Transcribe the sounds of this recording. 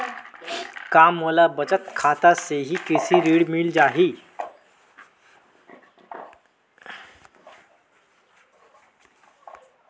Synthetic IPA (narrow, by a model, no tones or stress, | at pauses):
kamːəlabət͡sət̪kʰat̪aseɦikisiɾiɽmild͡ʒaɦi